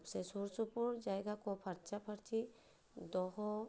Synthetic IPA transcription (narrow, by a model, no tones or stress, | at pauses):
psesuɾsupuɾd͡ʒajɡakɔpʰɐɾt͡ʃapʰəɾt̪ʰi | d̪ɔɦɔ